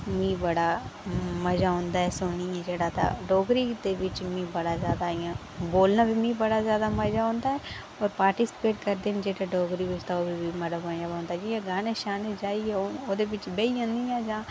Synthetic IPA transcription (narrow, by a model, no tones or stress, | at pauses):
mĩːbəɽaːməd͡ʒaːɦõːnd̪aːɦɛsoːniɛ̃ːd͡ʒeːɽaːt̪a̰ɖɔːɡɾid̪eːʋɪt͡ʃmĩːbəɽazjaːd̪aijãː | boːlnabʱimĩːbəɽazjaːd̪aməd͡ʒaɦõːnd̪aːɦɛː | ɔːɾpaːɾʈɪsɪ̥peːʈkəɾd̪eːnd͡ʒeːʈaɖɔːɡɾiʋɪd͡ʒt̪aoːbʱibiməɽəbaːjãbõːnd̪aːd͡ʒiãɡaːneʃaːned͡ʒaːiɛooːd̪ebɪt͡ʃbeiə̃nd̪ijãːd͡ʒãː